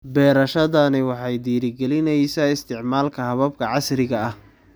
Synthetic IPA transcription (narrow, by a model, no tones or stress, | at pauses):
bɛːɾɐʃɐðɐnɪwɑħɑjd̪iːɾɪɡɛlɪnɛjsɐɪst̪ʰɪʕmaːlkʰɐhɐβɐb̚kʰɐʕɑsɾɪɣɐɐh